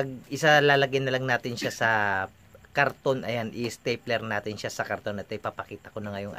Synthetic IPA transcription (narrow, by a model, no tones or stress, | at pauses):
pɐɡ̚ɪsalaːlɐɡɪnɐlɐŋnaːt̪ɪnʃasɐ | kɐɾt̪o̞nʔɐjanʔɪst̪ɛjplɛɾnaːt̪ɪnʃasɐkɐɾt̪o̞nɐt̪ɐɪpaːpɐkiːt̪ɐkonɐŋɐjoŋʔa̰